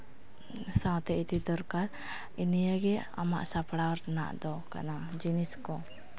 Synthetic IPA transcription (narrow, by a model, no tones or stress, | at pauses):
sawt̪ɛit̪id̪ɔɾkaɾ | inijaɡɛa̰ma̰ʔsapɽaɾna̰ʔd̪ɔka̰na | d͡ʒiniskɔ